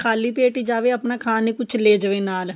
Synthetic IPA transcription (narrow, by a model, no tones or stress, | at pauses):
kʰaːliːpeːʈiːd͡ʒaːʋeːəpnaːkʰaːneːkʊt͡ʃʰleːd͡ʒəʋeːnaːl